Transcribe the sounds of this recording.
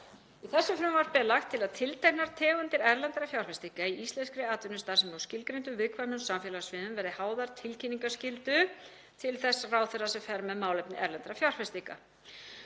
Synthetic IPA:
iθɛsːʏfɾʏːmvaɾ̥pɛlaxt̪ʰːɪlaðt̪ʰɪlt̪ʰajhnaɾ̥t̪ʰɛːɣʏnt̪ɪɾɛɾlɛnt̪ɾafjawr̥fɛst̪ikaiist̪lɛnskɾɪaːt̪vɪnːʏst̪ḁːsɛmawscɪlkɾejnt̪ʏvɪðkʰvanʏnsamfjɛːlasvɪðʏmvɛɾðɪhaːwðaɾ̥t̪ʰɪlcʰiniŋkascɪlt̪ʏ | t̪ʰɪlθɛsːraːwθɛrasɛmfɛɾmɛðmaːwlɛpnɪʔɛɾlɛnt̪ɾafjawr̥fɛst̪ika̰

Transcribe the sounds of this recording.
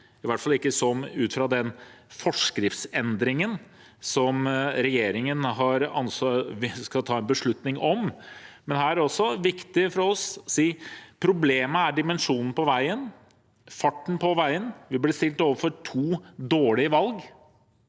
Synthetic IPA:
ɪʋæʈfɑlˠɪkːəsɔmʉːt̪fɾɑd̪ɛnfɔʂkɾɪft̪sɛnd̪ɾɪŋən | sɔmɾɛjeːɾɪŋənɦɑɾɑ̰nsskɑt̪ʰɑːɛnbəʂɭʉt̪nɪŋɔmmɛnɦæːɾæɾɔsːɔʋɪkt̪ɪfɔɾɾɔssiːpʰɾʊbleːməæɖɪmɛnʂuːnn̩pɔʋæɪən | fɑʈːɳ̩pʰɔʋæɪənʋɪblɪst̪ɪlt̪oːʋəfɔɾʈʰuːd̪oːɭɪəʋɑlɡ

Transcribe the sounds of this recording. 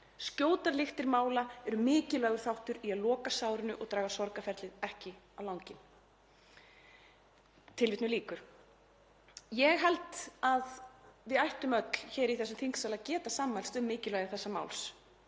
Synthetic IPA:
scoːwt̪aɾlɪxt̪ɪɾmaːwlaɛɾʏmɪːcɪlœːɣʏɾ̥θawht̪ʏɾiaðlɔːkasaːwɾɪnʏʔɔɣt̪ɾaːɣasɔɾkafɛɾt̪lɪðɛhcɪawlawŋcɪn | t̪ʰɪlvɪt̪nʏliːkʏɾ̥ | jɛɣɦɛlt̪aðvɪðajht̪ʏmœt̪l̥çɛːɾiθɛsʏmθiŋksalaðcɛːt̪asaːmɛlst̪ʏmːɪːcɪlvɛɣaɾθɛsːama̰wls

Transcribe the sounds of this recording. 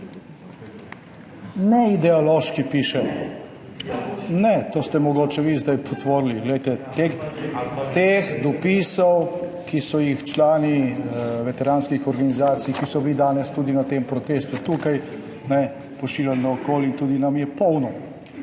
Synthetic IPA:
nɛid̪ɛɔloːʃkipiːʃɛ | nɛt̪oːst̪ɛmɔɡoːt͡ʃɛʋizd̪ajpʰɔt̪ʋoːɾliɡlɛjt̪ɛt̪e | t̪exd̪ɔpisɔwkisɔjixt͡ʃlaːniʋɛt̪ɛɾaːnskixɔɾɡanizaːt̪sijkisɔbilid̪aːnɛst̪uːd̪inat̪empɾɔt̪eːst̪ut̪uːkaj | nɛ | pɔʃiːlʲjalnɔːkoːlint̪uːd̪inamjɛpɔwnɔ

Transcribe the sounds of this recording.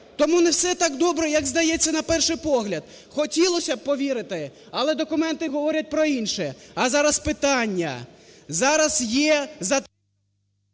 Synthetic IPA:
t̪ɔmunɛwsɛt̪ɑɡd̪ɔbɾɛjɐɡzd̪ɐjɛt͡sʲːɐnɐpɛrʃɪjpɔɦlʲɐd̪̚ | xɔtʲilˠɔsʲɐb̚pɔʋʲiɾɪt̪ɪ | ɐlˠɛd̪ɔkʊmɛnt̪ɪɦɔʋɔɾʲɐt̚ʲpɾɔinʃɛɐzɑɾɐspɪt̪ɑnʲːɐ̰zɑɾɐsjɛzɐ

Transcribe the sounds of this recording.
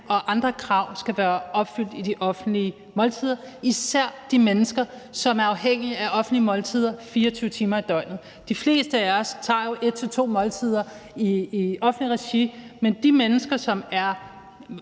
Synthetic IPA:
ɒ̽ʔɑ̈nd̥ʁɐkʰʁɑ̈ʊ̰sɡ̥æʋæːɐʔɒ̽b̥fyl̰d̥id̥iʔɒ̽fn̩̥liə | mɒ̽lt͡sʰið̞ˠɐ | isæɐ̰d̥imenəsɡ̥ɐ | sɒ̽mæɐɑ̈ʊɦeŋ̰iæʔɒ̽fn̩d̥liəmɒ̽lt͡sʰið̞̰ˠɐfiːɐɒt͡sʰyːʊət͡sʰiːmɐid̥ɒ̽ɪ̰nð̩ˠ | d̥ifle̝̰ːsd̥əææɐst͡sʰɑ̰̈ːjo̝ʔe̝d̥̚t͡sʰe̝t͡sʰo̝̰ːmɒ̽lt͡sʰiðˠɐ | iɒ̽fn̩dliʁɛɕimend̥imenəsɡ̥ɐsɒ̽mæɐ

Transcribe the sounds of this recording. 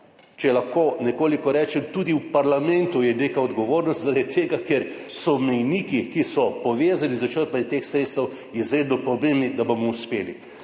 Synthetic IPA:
t͡ʃɛlaxkoːnɛkoːlikɔɾɛːt͡ʃɛmt̪uːd̪iwpaɾlamɛnt̪ujɛnekaɔd̪ɡɔʋoːɾnɔst̪zaɾad̪it̪ːeːɡakeɾ | sɔmɛjniːkikisɔpɔʋeːzanlizɐt͡ʃəɾpanɛt̪eːxsɾeːt̪st̪ɛw | izɾeːd̪nɔpɾɔbembnid̪abomɔuspeːli

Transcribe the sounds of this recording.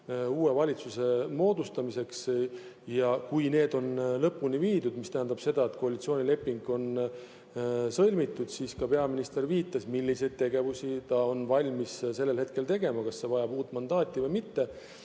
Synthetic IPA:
uːe̞vɑlʲit̪suse̞mo̞ːd̪̥ust̪ɑmise̞ks | jɑkujne̞ːd̪o̞nlɤpːuniviːd̪ud̪̥mist̪æɦænd̪̥ɑb̥se̞d̪̥ɑet̪koɑlʲit̪sio̞ːnʲile̞pːiŋɡ̥o̞n | sɤlʲmit̪ːˑud̪̥siːskɑpe̞ɑminist̪e̞ɾviːt̪ːˑɑsmilʲːise̞jd̪̥̚t̪ːe̞ɡ̥e̞vusit̪ɑo̞nvɑlʲmisse̞lːe̞lhe̞t̪̚kelt̪e̞ɡe̞mɑkɑsːe̞vɑjɑb̥uːt̪ːˑmɑnd̪̥ɑːt̪ʲˑːivɤjmit̪ːe̞

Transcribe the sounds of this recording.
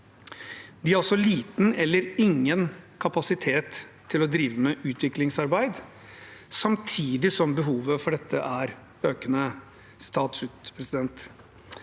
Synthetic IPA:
d̪ɪæɾɔlsɔliːt̪n̩ɛlːəɾɪŋːənkʰɑpɑsɪt̪ʰeːt̪ʰː | ɪlɔd̪ɾiːʋəmɛʔʉːt̪ʰʋɪklɪŋsɑɾbæɪd̪ | sɑmt̪ʰiːd̪ɪsɔmbəɦuːʋəfɔɖɛt̪ʰːəʔæɾ | øːkənə | st̪ʰɑːt̪sʉːt̪pʰɾɛsɪd̪ɛnt̪

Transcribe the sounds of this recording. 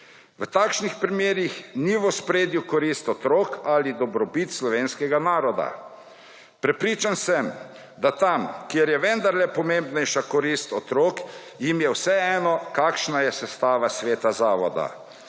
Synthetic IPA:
ʋət̪aːkʃnixpɾimjeːɾjixniʋɔspɾeːd̪jukɔɾist̪ɔt̪ɾoːkalid̪ɔbɾɔbit̪slɔʋeːnskɛɡanaːɾɔd̪a̰ | pɾɛpɾiːt͡ʃansɛm | d̪at̪amkjeɾjɛʋɛnd̪aɾlɛpɔmembnɛjʃakɔɾist̪ɔt̪ɾoːk | jimjɛwsɛɛːnɔkaːkʃnajɛsɛst̪aːʋasʋeːt̪azaːʋɔd̪a̰

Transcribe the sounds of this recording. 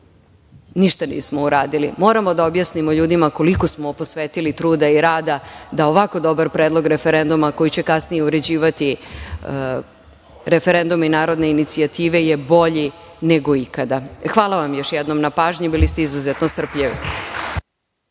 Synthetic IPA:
niʃt̪anḭːsmouɾaːd̪ilḭmo̞ːɾamo̞d̪aobjasnimo̞ʎuːd̪imako̞liko̞smoposʋeːt̪ilit̪ɾuːd̪aiɾaːd̪ad̪ao̞ʋako̞d̪o̞baɾpɾeːd̪lˠo̞ɡɾe̞feɾe̞nd̪umako̞jit͡ɕe̞kasnijeuɾe̞d͡ʑiːʋat̪i | ɾe̞feɾe̞nd̪uminaːɾo̞d̪ne̞init̪siat̪iːʋe̞jebo̞ʎi | neɡo̞ikad̪axʋaːlˠaʋamjo̞ʃjɛd̪nomnapaːʒɲibilist̪eizuzet̪nost̪r̩pʎeʋḭ

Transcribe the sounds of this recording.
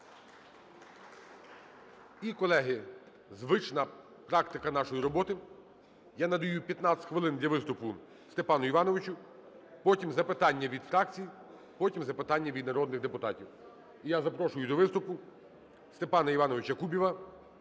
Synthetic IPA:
ikɔlˠɛɦɪ | zʋɪt͡ʃnɐ | pɾɑkt̪ɪkɐnɑʃɔjiɾɔbɔt̪ɪ | janɐd̪ɐjupʲjɐt̪nɑtʲxʋɪlˠɪnd̪lʲɐʋɪst̪ʊpʊ | st̪epɑnʊiʋɑnɔʋɪt͡ʃʊ | pɔtʲimzɐpɪt̪ɑnʲːɐʋʲid̪fɾɑk̚t͡sʲiji | pɔtʲimzɐpɪt̪ɑnʲːɐʋʲid̪̚nɐɾɔd̪nɪɣd̪epʊt̪ɑtʲiw | ijazɐpɾɔʃʊjʊd̪ɔʋɪst̪ʊpʊ | st̪epɑnɐiʋɑnɔʋɪt͡ʃɐkubʲiʋɐ

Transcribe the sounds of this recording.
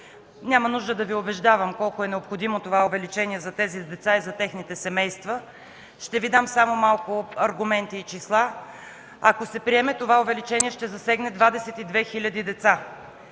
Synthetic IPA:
nʲamɐnuʒd̪əd̪ɐviobɛʒd̪avəmkɔlˠkoɛnɛopxod̪imot̪ovaʊvɛlit͡ʃɛniɛzɐt̪ɛzid̪ɛt̪saizɐt̪ɛxnit̪ɛsɛmɛjst̪və | ʃt̪ɛvid̪amsamomalˠkʊɐɾɡʊmɛnt̪iːt͡ʃislˠa | ɐkosɛpɾiɛmɛt̪ovaovɛlit͡ʃɛniɛʃt̪ɛzɐsɛɡnɛd̪vad̪ɛsɛt̪id̪vɛxilʲəd̪id̪ɛt̪sa

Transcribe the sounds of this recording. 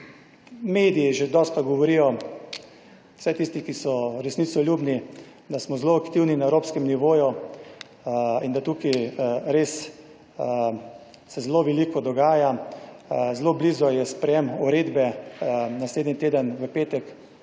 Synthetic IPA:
meːd̪ijiʒed̪ɔst̪kaɡɔʋɔɾijɔ | sɛt̪ist̪ikisɔɾɛsnit̪sɔlʲjuːbni | d̪asmɔzloakt̪iwninaewɾoːpskɛmniʋoːju | ind̪at̪uːkiɾeːs | sɛzloʋɛlikɔd̪ɔɡaːja | zlobliːzɔjɛspɾɛjɛmuɾeːd̪bɛnasleːd̪nit̪eːd̪ənʋəpeːt̪ɛk

